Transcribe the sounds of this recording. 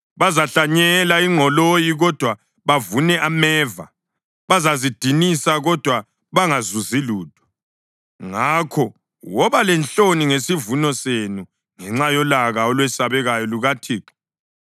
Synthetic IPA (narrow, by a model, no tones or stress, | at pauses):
βazaɬaɲɛlaiŋʱɔlojiɣɔd̥ʱwa | βavunɛʔamɛːva̰ | βazazid̥ʱinisaɣɔd̥ʱwa | βaŋazuziluːd̥ʱɔ̥ | ŋakʰɔ | wɔβalɛnt͡ɬoniŋesivunɔsenu | ŋɛŋ͡ǁajɔlaɣaɔlwɛsaβɛɣajɔluɣatʰiːǁɔ̥